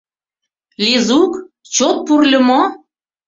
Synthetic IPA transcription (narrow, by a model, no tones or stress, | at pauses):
lʲizuk | t͡ɕot̪̚purlʲə̆mo